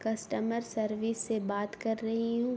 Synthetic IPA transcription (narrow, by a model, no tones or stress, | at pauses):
kɐsʈəməɾsɐɾʋisːebaːt̪kɐɾːɐɦiɦũ